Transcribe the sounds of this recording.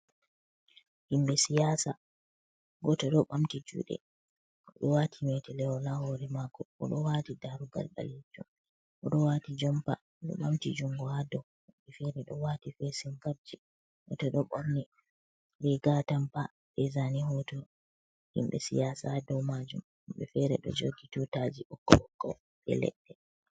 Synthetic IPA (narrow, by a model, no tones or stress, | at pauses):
himɓɛsijaːsa | ɡɔtɔɗɔɓamtid͡ʒṵːɗɛ̰ | ɗɔwatʰimɛtɛlɛwɔlahɔɾɛmakɔʔɔ̰ɗɔwatidaɾuɡa̰lba̰lid͡ʒum | ʔɔɗɔwatid͡ʒɔmpa̰ | ɗɔ̰ɓamtid͡ʒuŋɡɔhadɔ | humɓɛfɛɾɛɗɔwatifɛsimkab̚d͡ʒi | ʔɔtɔɗɔɓɔɾni | ɾɛɡatampa | ɓɛzaniɦɔtɔ | hḭmɓɛsḭjaːsadɔwmad͡ʒum | humɓɛfɛɾɛɗɔ̰d͡ʒoɡitutad͡ʒiʔɔkːɔɔkːɔ | ɓɛ̰lɛ̰ɗːɛ